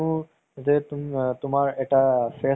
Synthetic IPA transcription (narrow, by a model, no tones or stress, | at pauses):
ũ | zeːt̪ʊmt̪ʊmaːɾeːʈaːfeː